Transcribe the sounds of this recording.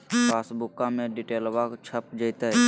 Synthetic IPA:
pʰaːsbʊkːãmẽɖiʈeːlʋakt͡ʃʰəp̚d͡ʒəjt̪ə

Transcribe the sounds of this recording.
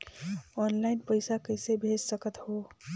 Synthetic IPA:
ɔnlaɪnpəɪsakəɪsebʱed͡ʒsəkət̪ho

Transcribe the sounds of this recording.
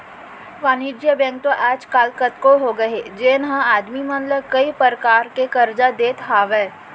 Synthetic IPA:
ʋaːnid͡ʒjəbɛ̃ːŋk̚t̪oʔɛːt͡ʃkaːlkət̪koɦoɡɐɦed͡ʒeːnɦə̃aːd̪mimɐ̃nləbkɐipəɾkaːɾkekɐɾd͡ʒad̪eːt̪ɦaːʋɛː

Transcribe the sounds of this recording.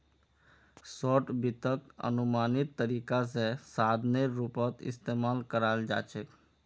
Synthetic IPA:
sɔːʈbɪt̪əkə̰nʊmaːnɪt̪ːəɾiːkas̬esaːd̪ʱneɾupət̪ɪ̰st̪eːmaːlkəɾaːld͡ʒa̰ːt͡ʃek

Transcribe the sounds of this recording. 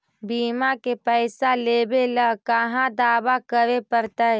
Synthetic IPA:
biːmakepəɪsaleːbelakəɦãd̪aːbakəɾepəɾt̪a

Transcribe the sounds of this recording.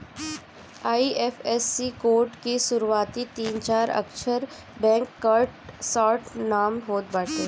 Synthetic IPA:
aiʔefesːikoːɾʈkisʊɾuʋaːt̪it̪iːnt͡ʃaːɾə̰kʃəɾ | bɛ̃ŋkːəɾʈsɔːɾʈnaːmɦoːt̪̚baːʈeː

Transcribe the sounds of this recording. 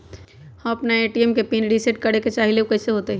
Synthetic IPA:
hɐmɐpnaeːʈiemkepinɖiseʈ̚kɐɽeket͡ʃaːɦileukɛːseɦoːt̪eɦɛ̃

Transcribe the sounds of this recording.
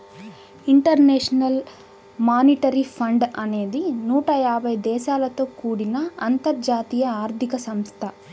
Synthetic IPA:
iɳʈɐɾnɛːʂɐnɐl | maːniʈɐɾipʰɐɳɖɐne̞ːd̪inuːʈɐjaːbʱɐjd̪ɛːʃaːlɐt̪o̞ːkuːɽinɐɐnt̪ɐɾd͡ʒaːt̪iːjɐaːɾt̪ʰikɐsɐmst̪ʰɐ

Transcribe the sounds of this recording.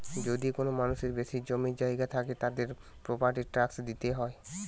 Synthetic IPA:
d͡ʑod̪ikonomanuʃeɾbeʃid͡ʑomiɾd͡ʑaiɡat̪ʰaket̪ad̪eɾ | pɾopaɾʈiɾʈɾaksd̪it̪eɦɔe

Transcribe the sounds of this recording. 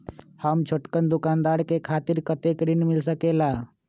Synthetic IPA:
həmt͡ʃʰoʈkənd̪ʊkaːnd̪aːɽkekʰaːt̪ɪɾkət̪ekɾinmɪlsəkeːlaː

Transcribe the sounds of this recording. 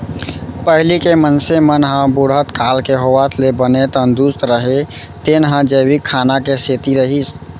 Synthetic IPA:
pəɦlikemənsemənɦãbʊɽɦət̪kaːlkeɦowat̪lebənet̪ə̃nd̪uːst̪ɾəɦe | t̪enɦãd͡ʒəːwikʰaːnakeseːt̪iɾəɦis

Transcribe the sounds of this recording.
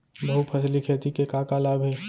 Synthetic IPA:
bɐɦupʰɐslikʰeːt̪ikekaːkalaːbʱe

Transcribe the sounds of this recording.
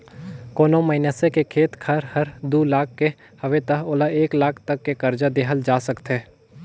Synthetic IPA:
koːnomɐɪnjəsekekʰeːt̪kʰɐɾhɐɾd̪uːlaːk̚ʰːe | hɐʋet̪aɦoːlaeːklaːkʰt̪ɐkːekɐɾd͡ʒad̪eːɦəld͡ʒaːsəkt̪eː

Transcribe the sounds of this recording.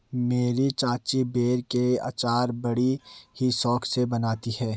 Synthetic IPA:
meːɾit͡ʃãːt͡ʃibeːɾkea̰ːt͡ʃaːɾbɐɽihisɔːksebɐnaːt̪ihɛː

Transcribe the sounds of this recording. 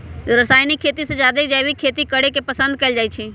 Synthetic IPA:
ɾəsaːjnikʰːeːt̪isẽd͡ʒjaːd̪ekd͡ʒajʋikʰeːt̪ikəɽekepəsə̃nd̪̚kəːld͡ʒaːit͡ʃʰiː

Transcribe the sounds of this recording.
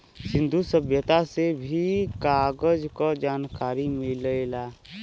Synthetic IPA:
sɪ̃nd̪ʱusəbʱjət̪asebʱikaːɡəd͡ʒkɔd͡ʒaːnkaːɾimɪləla

